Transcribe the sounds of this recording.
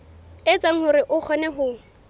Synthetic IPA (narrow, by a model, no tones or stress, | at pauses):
ɪt͡sʼaŋ̩hʊɾɪʔʊk͡xʰɔnɛɦʊːŋ̩